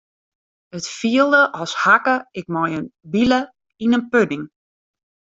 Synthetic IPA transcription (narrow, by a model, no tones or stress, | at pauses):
ətfiəlˠdəʔɔshakəɪk̚mɔjənbilə | inənpønɪŋ